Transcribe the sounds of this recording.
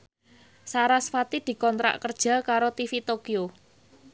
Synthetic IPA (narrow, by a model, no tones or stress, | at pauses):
saɾasfat̪id̪̥i̤kɔnt̪ɾa̰ʔkərd̥ʒ̥ä̤kaɾot̪ifit̪okio